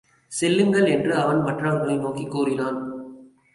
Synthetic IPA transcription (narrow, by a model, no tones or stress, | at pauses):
sɛlːɯŋɡɐɭɛndrɯɐʋɐnmɐʈrɐʋɐɾɣɐɭɐɪnoːkikːuːrɪnaːn